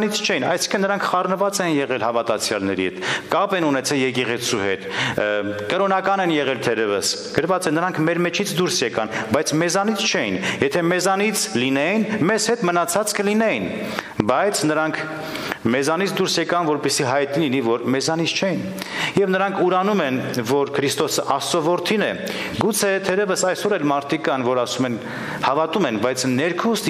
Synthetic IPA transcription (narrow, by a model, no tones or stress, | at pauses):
nit͡sʰt͡ʃʰɛjinɑ̰jsi̥kʰənnːəɾɑŋkʰχɑrnəvɑt͡sɛinjɛʁɛlhɑvɑt̪ɑt͡sʰjɑ̰lnɛ̰ɾḭhɛ̰t̪kɑpɛnunɛt͡sʰɛljɛkɛʁɛt͡sʰuhɛt̪ | kəɾɔnɑkɑnɛnjɛʁɛlt̪ʰɛɾɛvə̰s | ɡ̥əɾvɑt͡sɛnəɾɑŋkʰmɛɾmɛt͡ʃʰit͡sʰd̪uɾsjɛkɑnbɑjt͡sʰmɛzɑnit͡sʰt͡ʃʰɛjḭnjɛt̪ʰɛmɛzɑnit͡sʰlinɛjinmɛzhɛt̪mənɑt͡sʰɑt͡skəlinɛjin | bɑjt͡sʰnəɾɑŋkʰ | mɛzɑnit͡sʰd̪uɾsjɛkɑnvɔɾpɛsiɦɑjt̪nilinivɔɾmɛzɑnit͡sʰt͡ʃʰɛjin | jɛvnəɾɑŋkʰuɾɑnumɛnvɔɾkʰəɾist̪ɔsəʔɑsɔvɔɾt̪ʰinɛ̰ | ɡut͡sʰɛt̪ʰɛɾɛvəsɑjsɔɾɛlmɑɾt̪ʰikɑnvɔɾɑsumɛn | hɑvɑt̪umɛnbɑjt͡sʰnːɛɾkʰust̪